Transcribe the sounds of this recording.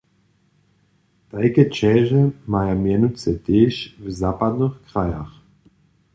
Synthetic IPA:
t̪ajkɛt͡ʃɛːʒɛmajamjɛnut͡sɛt̪eːʃvzaːpad̪nəxkʁajax

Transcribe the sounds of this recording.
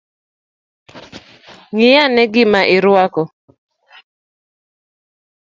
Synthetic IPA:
ŋɪjanɛɡɪmaʔɪɾwakɔ

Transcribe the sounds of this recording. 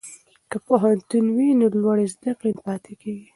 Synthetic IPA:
kəpoɦant̪unwinolwaɽezd̪aqenpɑt̪ekeɡi

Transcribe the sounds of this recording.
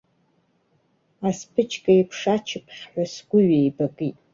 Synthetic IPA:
aspʰɨt͡ʃʰkʼaipʰʂat͡ʃʰɪpʰχʲħʷasɡ̥ʷʊɥejbakʼitʼ

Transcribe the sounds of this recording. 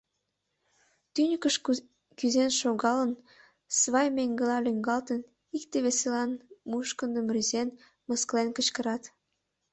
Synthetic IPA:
t̪ynʲəkəʃ | kyzenʃoɣɑlən | sβɑjmeŋɡəlɑlyŋɡɑlt̪ən | ikt̪eβeselɑnmuʃkənd̪əmryzen | məsklenkət͡ɕkəɾɑt̪

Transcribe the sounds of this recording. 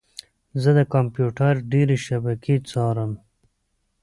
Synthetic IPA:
zəd̪əkampjuʈaɾɖeɾeʃabakʰet͡sɑːɾəm

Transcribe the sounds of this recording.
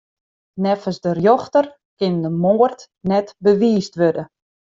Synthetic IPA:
nɛfəsdərjɔxtər | kɪndəmoːrt | nɛtbəʋiːstʋødə

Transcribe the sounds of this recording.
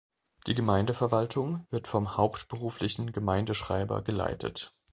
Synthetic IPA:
d̥iːɡəmaɪndəfɛɐvaltʰʊŋvɪɐtfɔmhaʊptb̥əʁ̞uːflɪçn̩ɡəmaɪndəʃʁ̥a̰ɪbɐ̰ɡəla̰ɪtʰə̰t

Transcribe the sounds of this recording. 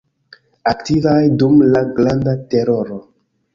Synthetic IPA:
aktivajdumlaɡlandate̞ɾo̞ɾo

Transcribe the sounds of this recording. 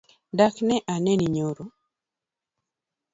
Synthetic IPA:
daknɛʔanɛniɲoɾo

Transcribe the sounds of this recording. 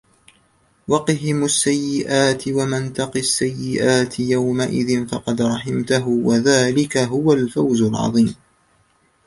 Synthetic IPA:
wɑqɦɪmasːajːɪʔaːt̪ɪwamant̪ɑqiasːajːɪʔaːt̪ʰɪjawmaʔɪ̰ðɪnfɑqɑd̪ɾˤɑħɪmt̪aɦʊwaðaːlɪkaɦʊwalfawzʊlʕɑ̰ðˤiːm

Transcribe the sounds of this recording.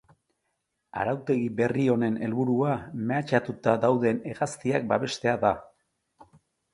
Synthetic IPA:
a̰ɾawt̪e̞ɣibe̞rio̞ne̞ne̞lβuɾuame̞at͡ʃat̪ut̪ad̪awðe̞ne̞ɣast̪iak̚baβe̞st̪e̞aða

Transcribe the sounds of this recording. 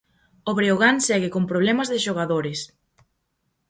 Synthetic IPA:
oβɾeoɣansɛɣɪkompɾoβlɛmɐzðɪʃoɣ̞aðoɾɪs

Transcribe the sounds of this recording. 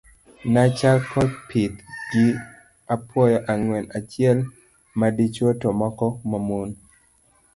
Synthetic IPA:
nat͡ʃalkʰɔt̚pʰit̪ɡ̥ɪ | apʰwɔjɔʔaŋwɛnat͡ʃjɪɛl | madit͡ʃwotomɔkɔmamon

